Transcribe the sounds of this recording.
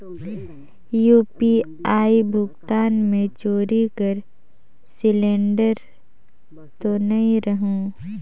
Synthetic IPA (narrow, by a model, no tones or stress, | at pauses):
juːpi | aːibʱʊɡt̪aːnmẽt͡ʃoːɾikəɾ | sɪlẽːɳɖəɾ | t̪onɐĩɾəɦũː